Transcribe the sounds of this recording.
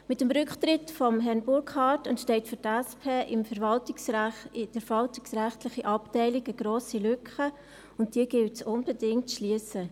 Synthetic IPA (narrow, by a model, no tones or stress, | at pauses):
mɪtəmɾʏkχtɾɪtfɔmɦɛnbʊɾkχɑːtɛntʃtɛɪtfʏɾtɛspʰeːʔɪmfəɾvɑltɪksɪd̥əɾvɑltɪksrɛχtlɪχiʔɑptɛɪlɪɡəɡ̥ɾoːsilʏkχə | ʊnt̚d̥iːəɡɪltsʊnbɛdɪŋtʃliəsə